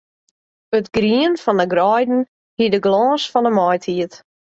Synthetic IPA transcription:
ətɡriənfɔndəɡrɔjdn̩ | hidəɡlɔːsfɔnəmɔjtʰiət

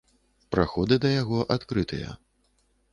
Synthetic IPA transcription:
pɾaxɔd̪ɨd̪ɐjaɣɔʔat̪kɾɨt̪ʰɨjɐ̰

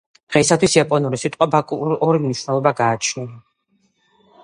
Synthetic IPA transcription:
d̪̥ʁɛisat̪ʰwisjapʼɔnuɾisit̪ʼqʼwabakʼuɾɔɾimniʃwnɛlˠɔbaɡaːt͡ʃʰnia

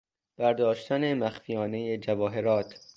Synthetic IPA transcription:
b̥æɾd̪ɒːʃt̪æne̞mæxfijɒːne̞jed͡ʒævɒːɦe̞ɾɒːt̪ʰ

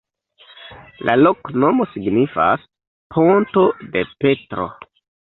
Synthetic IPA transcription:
lʔalo̞kno̞mosiɡnifa̰s | pʰontode̞pe̞tɾo̰

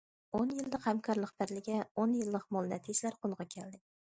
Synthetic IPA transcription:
onjɪlːɪqhamkʰɒɾlˠɨqb̥ɪɾlɪɡʲaonjɪlːɪqmɒlˠnat̪ʰɪd͡ʒlaɾqʰolˠʁɑkʲʰald̪ɪ

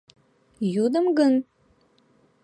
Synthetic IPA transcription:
jud̪əmɡən

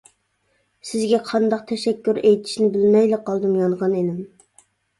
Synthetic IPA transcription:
sɪzɡʲɛqʰɑnd̪ɑqt̪ʰɛʃɛkʲːyɾejt̪ʰɪ̥ʃnɪbɪlmɛjlɪqʰːɑlˠd̪ɨmjɑɴʁɑnenɪm

